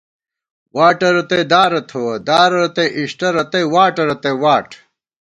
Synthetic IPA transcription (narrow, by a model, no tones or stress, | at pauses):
waːʈɐɾɐt̪ed̪aːɾɐt̪ʰowd̪aːɾɐɾɐt̪eʔiʂʈɐɾɐt̪ejwaːʈɐɾɐt̪ewaːʈ